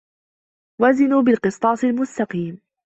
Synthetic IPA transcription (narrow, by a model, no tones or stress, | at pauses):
wazɪnuːbɪlqɨsˤt̪ˤɑːsˤɪlmʊst̪ɑqiːm